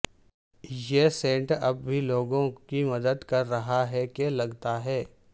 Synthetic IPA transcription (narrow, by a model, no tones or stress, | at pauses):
jesẽːɳʈɐb̚ːʱiloːɡõkimɐd̪əd̪kɐɾːɐɦaɦɛkelɐɡt̪aɦɛː